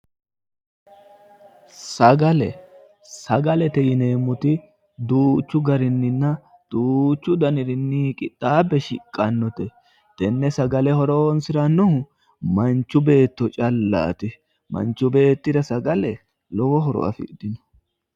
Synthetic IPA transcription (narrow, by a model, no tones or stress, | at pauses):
sɐɡɐlɛ̰ | sɐɡɐlɛt̪ɛjɪneːmːʊt̪ɪ | d̪uːt͡ʃːʊɡɐɾɪnːɪnːɐ | d̪̥uːt͡ʃːʊd̪ɐnɪɾɪnːikʼɪt̪ʼːaːbɛʃɪ̰kʼːɐnːɔt̪ɛ | t̪ɛnːɛsɐɡɐlɛhɔɾɔwɔnsɪɾɐnːʊhʊ | mɐnt͡ʃːʊbe̞ːt̪ːɔt͡ʃʼɐlːa̰ːt̪ɪ | mɐ̰nt͡ʃːʊbe̞ːt̪ːɪd̪ɐsɐɡɐlɛ | lɔwɔɦɔɾɔ̰ʔɐ̰fɪ̰d̪ɪnɔ̥